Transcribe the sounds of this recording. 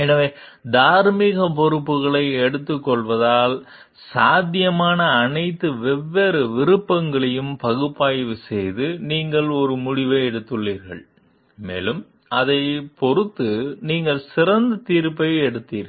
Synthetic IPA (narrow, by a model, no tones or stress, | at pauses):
ɛnɐʋeː | d̪aːɾmiɣɐp̬ɔɾɯpːɯɣɐɭɐɪɛɽɯt̪ːɯkːɔɭʋɐðaːl | saːd̪ɪjɐmaːnɐːnɐɪt̪ːɯʋɛʋːeːɾɯʋɪɾɯpːɐŋɡɐɭɐjɯmpɐɣɯpːaːjʋɯsɛjðɯniːŋɡɐɭɔɾɯmʊɽɪʋeɛɽɯt̪ːɯɭːiːɾɣɐ̰ɭ | mḛːlɯm | ɐðɐɪpɔɾɯt̪ːɯniːŋɡɐɭsɪɾɐnd̪ɐt̪iːɾpːɐɪɛɽɯt̪ːiːɾɣɐɐ